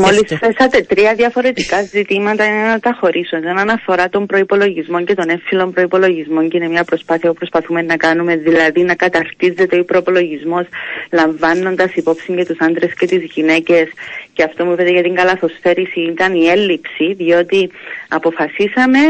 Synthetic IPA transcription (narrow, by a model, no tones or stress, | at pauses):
mo̞lisθesɐt̪e̞t̪ɾiɐðjɐfo̞ɾe̞t̪ikɐzit̪imɐt̪ɐinenːɐt̪ɐxo̞ɾʔisunsenɐnɐfo̞ɾɐt̪o̞mpɾo̞ipo̞lo̞ʝizmo̞ɲce̞t̪o̞ne̞filo̞mpɾo̞ipo̞lo̞ʝizmo̞ɲcinemɲɐpɾo̞spɐθiɐpupɾo̞spɐθume̞nːɐkɐnume̞ðilɐðinɐkɐt̪ɐɾt̪ize̞t̪eo̞ipɾo̞ipo̞lo̞ʝizmo̞slɐɱvɐnːo̞nd̪ɐsipo̞psiɲce̞t̪usɐnd̪ɾe̞sce̞t̪izʝine̞ce̞sceɐft̪o̞muivet̪eʝɐt̪iŋɡɐlɐθo̞sθe̞ɾisiːt̪ɐnie̞lːipsiðio̞t̪iɐpo̞fɐsisɐme̞